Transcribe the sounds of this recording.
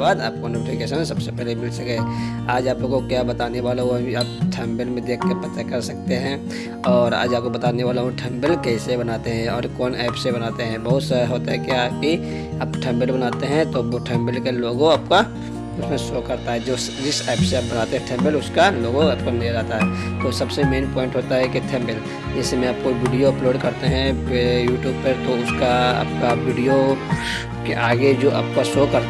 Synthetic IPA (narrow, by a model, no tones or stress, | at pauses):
baːd̪a̰ːp̚konoːʈɪfɪkeːʃə̃nsɐbsepɛɦlemɪlsɐkɛɛ | aːd͡ʒaːplokokjabɐt̪aːneʋaːloobʱiaːp̚ʈʰɛ̃ːmbəlmẽd̪eːkʰkəɾpɐt̪akɐɾsɐk̚t̪eɦɛ̃ | ɔːɾa̰ːd͡ʒaːp̚kobɐt̪aːneʋaːloɦõʈʰɛːmbəlkɛisebɐnaːt̪eɦɛ̃ɔːɾkɔːnɛːpsebɐnaːt̪eɦɛ̃bɐɦʊt̪saɾəɦoːt̪aɦɛkjaːki | aːpʈʰɛ̃ːmbəlbɐnaːt̪eɦɛ̃t̪oʈʰɛ̃ːmbəlkeloːɡõaːp̚ka | ʊsmẽsoːkɐɾt̪aɦɛd͡ʒos | d͡ʒɪsɛːpseaːp̚bɐnaːt̪eɦɛ̃ʈʰɛ̃ːmbəlʊskaloːɡõap̚koneɾaːt̪aɦɛːt̪osɐbsemeːnpɔːɪ̃ɳʈɦoːt̪aɦɛkiʈʰɛ̃ːmbəl | d͡ʒɛːsemɛ̃ap̚koʋɪɖijoɐploːɖkɐɾt̪eɦɛ̃juːʈjuːbpɐɾt̪oʊskaɐ̰p̚kaʋɪːɖijo | keʔaːɡed͡ʒoːʔə̰p̚kasoːkɐɾ